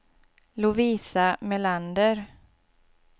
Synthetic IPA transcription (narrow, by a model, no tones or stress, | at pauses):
lʊviːsamɛland̪əɾ